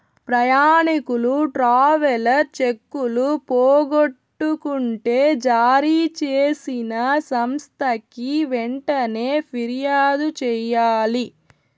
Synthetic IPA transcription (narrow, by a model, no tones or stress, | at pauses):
pɾɐjaːɳikuluʈɾaːʋɐlɐɾt͡ʃekːulupoːɡoʈːukuɳʈe̞ːd͡ʒaːɾit͡ʃeːsinɐsɐmst̪ʰɐkiʋɛɳʈɐne̞ːpʰiɾijaːd̪ut͡ʃɛjaːli